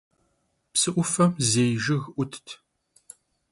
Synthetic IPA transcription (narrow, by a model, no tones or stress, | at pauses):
psɨʔʷʊfɐmzejʒɪɣʔʷʊt̪ʰtʰ